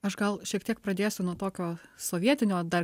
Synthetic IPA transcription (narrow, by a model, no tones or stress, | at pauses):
ɐʃɡɐlˠʃʲiɛkt̪ʲiɛk̚pɾɐd̪ʲeːsʲʊnuɔt̪oːkʲoːsoːʋʲiɛt̪ʲɪnʲoːd̪ɐr